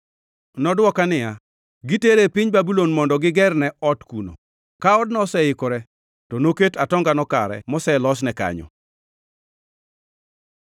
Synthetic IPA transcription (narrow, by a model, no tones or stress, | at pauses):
nɔdwɔkanɪja | ɡiteɾepɪɲbabulonmɔndɔɡɪɡɛrnɛɔtkuno̰ | kaɔdnɔsɛɪkɔɾɛ | tɔnoketatɔŋɡanɔka̰ɾɛ̰mɔsɛlɔsnɛka̰ɲɔ̰